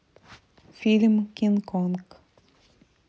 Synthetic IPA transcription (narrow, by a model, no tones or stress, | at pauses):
fʲilʲmkʲinkonk